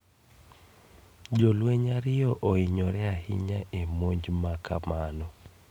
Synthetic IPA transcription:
d͡ʒolweɲaɾɪɔʔoɪɲɔɾɛahɪ̰ɲaʔemoɲd͡ʒmakʰa̰manɔ

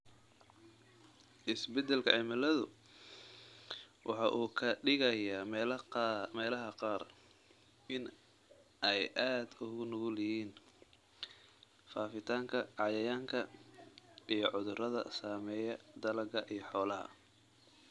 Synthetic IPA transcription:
ʔɪsbɛd̪ɛlkʰɐʕɪmɐlɐðʊ | wʔɑ̰ħɑʔuːkʰɐɖɪɣɐjaː | mɛːlɐɦɐqɑːr | ʔɪn | ʔɛjʔaːd̪ʊɣʊnʊɣʊlɪhiːn | faːfɪt̪ʰaːŋkʰɐɑjɐjaːŋkʰɐ | ʔijɔʕʊðʊrɐðɐ̰saːmɛːjɐd̪ɐlɐɡɐʔijɞħɔːlɐɦɐ̰

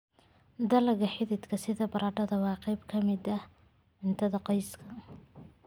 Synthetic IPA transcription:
d̪ɐlɐɣɐħɪðɪd̪kʰɐsɪðɐbɐɾadɐðɐwɑːqɑjbkʰɐmɪd̪ɐ | ʕɪnt̪ʰɐðɐqɑjskʰɐ

